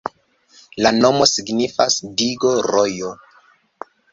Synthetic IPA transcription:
lano̞mosiɡnifasdiɡo̞ɾojo

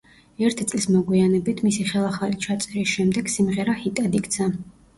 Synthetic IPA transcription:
ɛɾt̪ʰit̪sʼlismɔɡwianɛbit̪ʰmisiχɛlˠaχalit͡ʃʰat̪sʼɛɾisʃɛmd̪ɛɡ̥simʁɛɾahit̪ʼad̪ikʼd̪sʰa

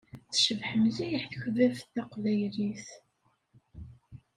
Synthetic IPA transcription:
θʃəvħəmzijəħθəçvæfθæqvæjliθ

